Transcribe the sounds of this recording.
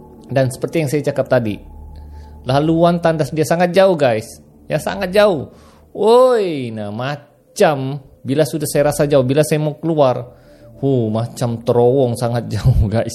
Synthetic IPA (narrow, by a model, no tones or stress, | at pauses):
dansə̥pərt̪ijaŋsajat͡ʃakap̚t̪adḭ | laluant̪andasdiasaŋat̪̚d͡ʒauhɡajs | jasa̰ŋat̪̚d͡ʒaʊh | ojnahma | t͡ʃam | bilasudahsajaɾasad͡ʒaubilasajamaukəluar | humat͡ʃamt̪əɾowɔŋsaŋat̪̚d͡ʒauhɡajs